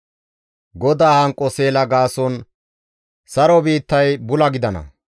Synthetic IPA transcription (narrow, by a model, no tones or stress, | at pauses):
ɡɔd̪aːhɐŋkʼːɔseːlɐɡaːsɔn | sɐɾɔbiːt̪ːɐjbʊlɐɡɪd̪ɐnɐ̰